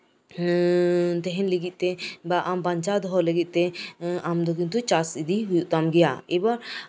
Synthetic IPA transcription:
t̪ɛɦɛnləɡit̪̚ˀt̪ɛbaʔambaɲt͡ʃad̪ɔɦɔləɡit̪̚ˀt̪ɛamd̪ɔk̬int̪ut͡ʃasid̪iɦujuʔt̪amɡɛja̰ɛbaɾ

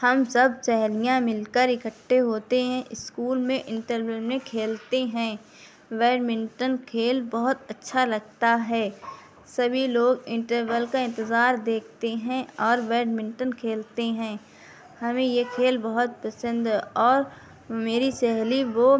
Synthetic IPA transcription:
hɐmsəb̚t͡ʃɛɦlijãmɪlkəɾɪkəʈʰːeɦoːt̪eɦɛ̃ʔɪskuːlmẽʔɪ̃ɳʈəɾʋəlmẽkʰeːlt̪eɦɛ̃ː | ʋɛːɖmɪ̃ɳʈənkʰeːlbɐɦʊt̪ətːʃʰalɐɡ̚t̪aɦɛː | sɐbʱiloːɡɪ̃ɳʈəɾʋəlkaɪ̃nt̪ɪzaːɾd̪eːk̚ʰt̪eɦɛ̃ɔːɾʋɛːɖmɪ̃ɳʈənkʰeːlt̪eɦɛ̃ː | hɐmẽjekʰeːlbɐɦʊt̪̚pəsə̃nd̪ɔːɾ | meːɾisɛɦliʋo

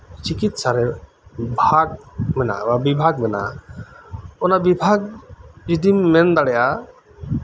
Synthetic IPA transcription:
t͡ʃikit̪saɾɛ | bʱaɡ̚mɛna̰babibʱaɡ̚mɛna̰ | ɔnabibʱaɡ̚d͡ʒid̪imːɛnd̪aɽɛja

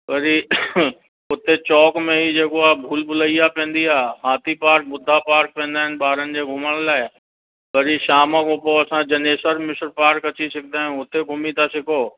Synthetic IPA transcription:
ʋɐɾi | ʊt̪et͡ɕɔːkmẽɦid͡ʑeːkoaːɦbʱuːlbʱʊlaijapẽːn̆d̪iaːɦaːt̪ʰipaːɾk̚bʊd̪ʱːapaːɾk̚pɛ̃ːn̆d̪aːɦɪnɪ̆ɓaːɾənɪ̆d͡ʑeːɡʱʊməɽ̃laːɪ | ʋɐɾiʃaːməkopoɐsãd͡ʑɐneːsəɾmɪsəɾpaːɾkɐt͡ɕisɐk̚d̪aːɦɪ̃ʊt̪eɡʱʊmit̪ʰasɪkʰoː

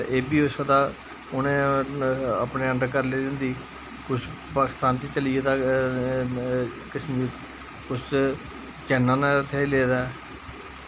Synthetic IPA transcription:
eːbiːʊsəd̪aː | ʊnẽː | əpneːəɳɖkəɾleːd̪ɪnd̪iː | kʊt͡ʃʰpaːkɪ̥st̪aːnt͡ʃiːt͡ʃəliːed̪aː | kɪʃmiːt̪ | kʊt͡ʃʰ | t͡ʃɛːnãːnat̪ʰeːleːd̪aː

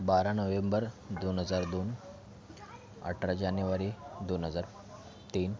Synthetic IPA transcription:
baɾanəʋembəɾd̪onɦəd͡zaɾd̪on | ə̰ʈʰɾad͡ʑanjuʋaɾid̪onɦəd͡zaɾ | t̪iːn

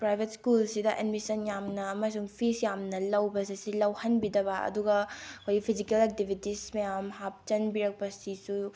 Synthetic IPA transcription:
pɾajbʱetskulsidɐʔedmisɐnjamnɐːmajs̬uŋpʰisjamnɐlɐwbɐsisilɐwhɐnbidɐbɐɐ̰duɡɐkʰojipʰizikelek̚tibʱitismɐjamɦap̚t͡ʃɐnbiɾɐk̚pɐsisu

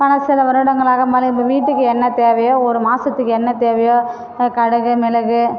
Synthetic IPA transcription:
pɐnɐsɪlɐʋɐɾɯɽɐŋɡɐɭaːɣɐmaːlɐɪpːɐʋiːʈːɯkːɯɛnːɐt̪eːʋɐjoːɔɾɯmaːsɐt̪ːɯkːɯɛnːɐt̪eːʋɐjoː | kɐɽɐɣɯmɛlɐɣɯ

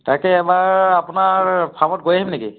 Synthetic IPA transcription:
takɛɛbaɹapunaɹpʰamɔt̚ɡojaɦimnekḭ

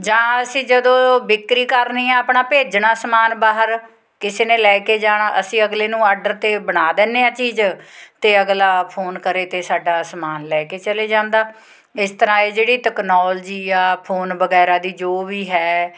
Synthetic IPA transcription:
d͡ʒãːəsĩːd͡ʒəd̪õːbɪkɾiːkəɾniːɛ̃ːəpɳaːpeːd͡ʒɳaːsəmaːnbaːɦəɾ | kɪseːneːlɛːkeːd͡ʒaːɽaːʔəsĩːəɡleːnũːaːɾɖəɾt̪eːbəɽ̃aːd̪ɛːneːãːt͡ʃiːd͡ʒt̪eːəɡlaːpʰoːnkəɾeːt̪eːsaːɖaːsmaːnlɛːkeːt͡ʃəleːd͡ʒãːnd̪aː | ɪst̪əɾãːeːd͡ʒeːɽiːʈɛːknɔːld͡ʒiːaːpʰoːnbəɡɛːɾaːd̪iːd͡ʒoːʋiːɦɛː

